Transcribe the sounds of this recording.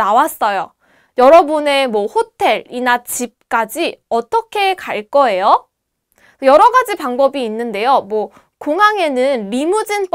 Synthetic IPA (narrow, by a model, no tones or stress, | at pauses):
awas͈ʌjo | jʌɾʌbune̞mwʌhotʰe̞ɭinat͡ɕip̚k͈ad͡ʑiʌt͈ʌkʰe̞kaɭk͈ʌe̞jo | jʌɾʌɡad͡ʑipaŋbʌbiːnːɯnde̞jomwʌ | koŋɦaŋe̞nɯnɾimud͡ʑinp